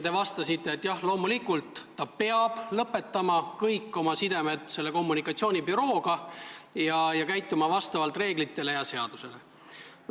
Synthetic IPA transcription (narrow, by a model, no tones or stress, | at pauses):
t̪e̞vɑst̪ɑsit̪ːe̞ːt̪ːˑjɑhlo̞ːmulikult̪ːɑpe̞ɑb̥lɤpːe̞t̪ːˑɑmɑkɤjkːo̞mɑsid̪e̞me̞d̪se̞lːe̞ko̞mːunikːˑɑt̪sio̞ːnʲibyɾo̞ːɡ̥ɑjɑjɑkæjt̪ːˑumɑvɑst̪ɑvɑlt̪ˑre̞ːɡlit̪ːe̞le̞jɑse̞ɑd̪̥use̞le̞